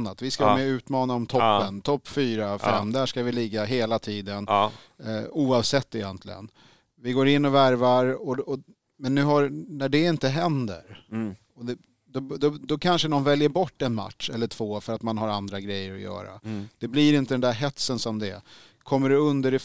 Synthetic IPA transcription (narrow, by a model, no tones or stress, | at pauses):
nːat̪vɪskavamɛʉ̟ːt̪mɑːnaɔmt̪ʰɔpːənt̪ʰɔpːfyːɾafɛmːd̪æʂkavɪlɪɡːaɦeːlat̪ʰiːd̪ən | uːɑvsɛt̪ːɪjɛnt̪ʰlɪ̰ɡə̰n | vɪɡoːɾɪnːɔvæɾvaɾɔɔ | mɛnːʉ̟ːɦaɾnæɖɛɪnt̪əɦɛnd̪ə̰ɾ | ɔd̪ɛ | d̪ɔd̪ɔd̪ɔkʰanʂənɔnvɛljəɾbɔʈːɛnma̰t̪ʂɛlːəʈʰv̥oːfœɾat̪manɦaɾand̪ɾaɡɾɛjːəɾɔjœ̰ːɾa̰d̪̥ɛblɪɾɪnt̪əd̪ɛnd̪æɾɦɛt̪sənsɔmd̪ɛ | kʰɔmːəɾɖɛɵnd̪əɾɛ